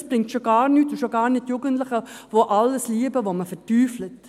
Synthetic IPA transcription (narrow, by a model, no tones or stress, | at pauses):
sb̥ʁɪŋk̚tʃoɡɑːʁnyːtːoʃoɡɑːɾnɪtjuɡəntlɪχəvoʔɑlːəsliəbəʋoməfɛtyːflət